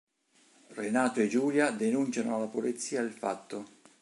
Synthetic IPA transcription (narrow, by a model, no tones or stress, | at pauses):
renaːt̪oed͡ʒuːljad̪enunt͡ʃanoalːapolit̪sːiːad̪elfa̰t̪ːo